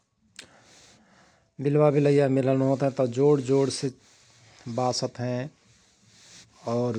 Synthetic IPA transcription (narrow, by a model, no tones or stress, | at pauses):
bɪlwabiləjamɪlənɦõːt̪ɦɛ̃t̪ɔd͡ʒoːɽd͡ʒoːɽse | baːsət̪ɦɛ̃ | ɔːɾ